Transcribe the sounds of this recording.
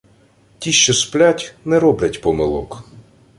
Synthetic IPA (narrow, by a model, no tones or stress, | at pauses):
tʲiʃt͡ʃɔsplʲatʲnɛɾɔblʲɐtʲpɔmɪlˠɔ̰k